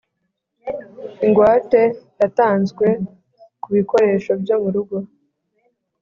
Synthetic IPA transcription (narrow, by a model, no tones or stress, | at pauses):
iŋɡwaːte̞jataːnzɡwe̞ | kuβiko̞ɾe̞ːʃo̞bjo̞muɾuɡo̞